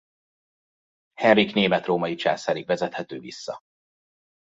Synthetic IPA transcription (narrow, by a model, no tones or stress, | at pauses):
hɛnrikneːmɛt̪roːmɒjit͡ʃa̰ːsaːɾikvɛzɛt̪hɛt̪øːvisːɒ̰